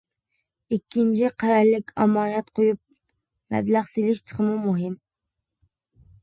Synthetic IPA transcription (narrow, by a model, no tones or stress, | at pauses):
ikʲːint͡ʃʰiqʰæɾɑɾlɪkʲʰɑ̰mːɑːnɑt̪qʰojup̚ | mɛ̰blæχselɪʃt͡ʃʰə̥χəmumuɦɪm